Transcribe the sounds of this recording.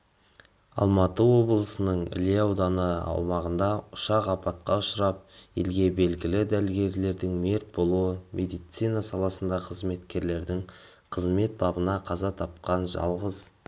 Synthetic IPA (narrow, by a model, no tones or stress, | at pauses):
ɑ̰lˠmɑt̪əwo̞blˠəsənəɴɪ̰leɑwd̪ɑnəɑ̰wmɑʁənd̪ɑʊʃɑqɑpɑt̪̚qɑʊʃəɾɑp̚jelɡʲe̞be̞lɡʲɪlɪd̪ælɡʲe̞ɾle̞ɾd̪ɪŋme̞ɾt̪̚bo̞lˠuəmʲʔe̞d̪ijt̪sijnɑsɑlˠɑsənd̪ɑqʰəzme̞t̪kʲe̞ɾle̞ɾd̪ɪŋ | qʰəzme̞t̪̚bɑbənɑqʰɑzɑt̪ʰɑp̚qɑnʒɑ̰lˠʁəz